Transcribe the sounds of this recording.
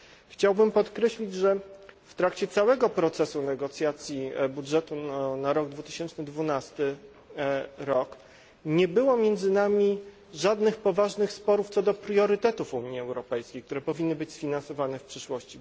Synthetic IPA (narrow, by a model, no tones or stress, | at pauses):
xt͡ɕawbɘmpɔt̪kɾɛɕlʲid͡ʑʐɛft̪ɾakt͡ɕɛt̪sawɛɡɔpɾɔt̪sɛsunɛɡɔt̪sʲjat̪sʲjibudʐɛt̪unaɾɔɡd̪vut̪ɘ̥ɕɛnt͡ʂnɘd̪vunast̪ɘ | ɾɔk | ɲɛbɘwɔmʲjɛnd̪zɘnamʲi | ʐad̪nɘxpɔvaʐnɘxspɔɾuft̪sɔd̪ɔpɾjɔɾɘt̪ɛt̪ufuɲiɛwɾɔpɛjskʲejkt̪uɾɛpɔvʲinːɘbɘt͡ɕsfʲinansɔvanɛfpʂɘʂwɔɕt͡ɕi